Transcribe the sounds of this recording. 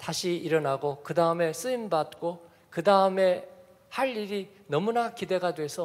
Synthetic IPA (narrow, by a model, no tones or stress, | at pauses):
taɕʰiiɾʌnaɡokɯdaɯme̞s͈ɯimbat̚k͈o | kɯdaɯme̞ | haʎːiɾi | nʌmunakide̞ɡadwe̞sʰʌ